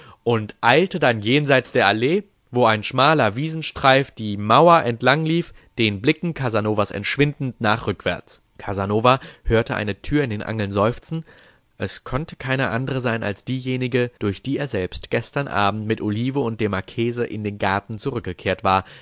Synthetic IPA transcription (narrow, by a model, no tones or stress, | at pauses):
ʔʊntʔaɪltədanjeːnzaɪt͡sd̥eːɐʔaleː | voːaɪnʃmaːlɐviːzn̩ʃtʁ̥aɪfd̥iːmaʊɐʔɛntlaŋliːf | d̥eːnblɪkŋ̩kʰazanoːvasɛ̰ntʃv̥ɪndn̩tnaːχʁ̥ʏkv̥ɛ̰ɐt͡s | kʰazanoːvahøːɐtəʔa̰ɪnətʰyːɐɪndeːnʔa̰ŋl̩nzɔʏft͡sn̩ | ʔɛskʰɔntə̥kʰaɪnəʔa̰ndəʁəzaɪna̰lsd̥iːjeːnɪɡəd̥ʊɐçd̥iːeːɐzɛlpstɡ̥ɛstɐnʔa̰ːb̚m̩tmɪtʔoliːvəʊntd̥eːɐmaɐkʰeːzəʔɪ̰ndeːnɡaɐtn̩t͡suʁʏk̚ɡ̥əkʰeːɐtv̥aːɐ